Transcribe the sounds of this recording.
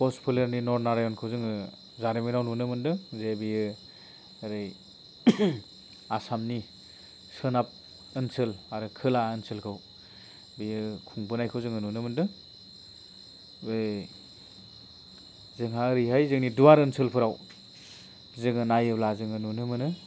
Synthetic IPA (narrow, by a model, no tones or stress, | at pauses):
kɔspʰɯleɾninɔɾnaɾajɔnkʰɯwzɯŋɯ | zaɾeminawnunɯmɯndɯzebijɯ | ɾɯj | asamni | sɯnap̚ | ɯnsɯlaɾɯkʰɯlaɯnsʰɯlkʰɯw | bijɯkʰuŋbɯnajkʰɯwzɯŋɯnunɯmɯndɯ | be | zɯŋɦaɯɾijɦajzɯŋniduwaɾɯnsʰɯlpʰɯɾaw | zɯŋɯnajɯblazɯŋɯnunɯmɯnɯ